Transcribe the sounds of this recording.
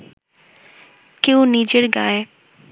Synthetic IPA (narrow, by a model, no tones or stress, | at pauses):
keuniːd͡ʒəɾɡaːe